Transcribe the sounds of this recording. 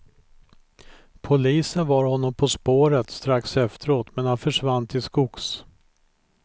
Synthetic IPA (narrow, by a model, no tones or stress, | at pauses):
pʰʊliːsənvɑɾhɔnːɔmpʰɔspoːɾət̪st̪ɾaksɛft̪əɾoːt̪mɛnhanfœʂvant̪ʰɪskʊks